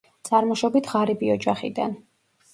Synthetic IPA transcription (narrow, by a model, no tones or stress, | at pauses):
t̪sʼaɾmɔʃɔbit̪ʰʁaɾibiɔd͡ʒaχḭd̪a̰n